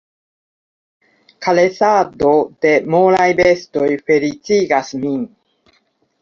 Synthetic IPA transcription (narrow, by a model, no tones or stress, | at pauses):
kale̞sado̞d̪̥e̞molajbe̞sto̞jfe̞ɾit͡siɡasmin